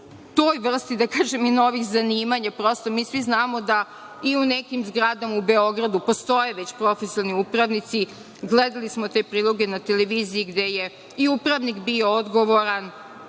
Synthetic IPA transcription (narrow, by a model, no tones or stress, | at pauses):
t̪o̞ːjʋr̩st̪id̪akaːʒemino̞ʋixzaniːmaɲapɾo̞st̪omiːsʋiznaːmo̞d̪a | iunekimzɡɾaːd̪amaube̞o̞ɡɾad̪upost̪o̞je̞ʋe̞t͡ɕpɾo̞fesioniupɾaʋnit̪si | ɡled̪alismot̪e̞pɾiːlˠo̞ɡe̞nat̪e̞leʋiːziiɡd̪e̞je | iupɾaʋnikbio̞od̪ɡo̞ʋoɾan